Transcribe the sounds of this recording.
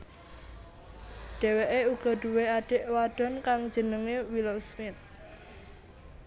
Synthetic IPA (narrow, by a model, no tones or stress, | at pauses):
ɖ̥ɛ̤weʔeuɡ̥ɔ̤ɖ̥uweaɖ̥e̤ʔwaɖ̥ɔ̤nkaŋ̥d͡ʒ̥ənəŋewilosmɪt̪̚